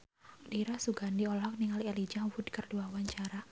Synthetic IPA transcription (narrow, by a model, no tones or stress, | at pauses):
diɾasuɡandiɔlɔk̚niŋalialid͡ʒawʊdkərduawaɲt͡ʃaɾa